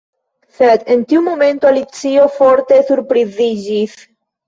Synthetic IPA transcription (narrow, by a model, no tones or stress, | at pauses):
θed̪ent̪iumomẽnt̪oalit͡siofoɾt̪esuɾpɾiziʒis